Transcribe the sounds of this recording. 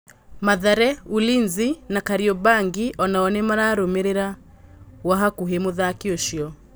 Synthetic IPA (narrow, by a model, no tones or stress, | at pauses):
maðaɾɛulinzinakaɾiɔbaŋɡiʔɔnaɔnɛmaɾaɾomeɾeɾa | waɦakuɦemuðakioʃiɔ